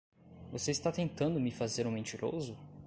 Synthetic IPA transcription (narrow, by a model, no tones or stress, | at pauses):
voseist̪at̪ẽnt̪ɐ̃nd̪ʊmɪfazeɾũmẽt͡ʃiɾʔo̰zʊ